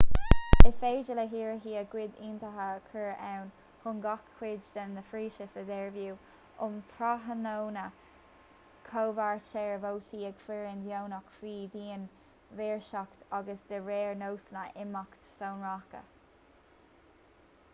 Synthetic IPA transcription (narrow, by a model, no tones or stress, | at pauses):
ɪsfeːd͡ʒələɦiːɹɦiːəɡwɪd̪int̪əɦəkʰəɹʔawn | hʊnɡɔkʰːwɪd͡ʒd̪əndəfɾiːʃəsəd̪ɛɹvjuː | ʊmtʰɾaɦənownə | kʰoːvaɹt͡ʃɛɹvowt̪ʰiːɛɡ̥fɪɹɪnd̪jownakfiːd̪iːən | vɛːɹʃakt̪aɡəsd̪əɹɛːɹnowsənəʔɪmakt̪sownɹakə̰